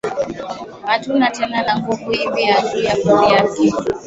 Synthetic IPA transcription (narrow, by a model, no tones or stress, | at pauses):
hatunatɛnalaŋɡuvuimiatijakɔɾiakɛ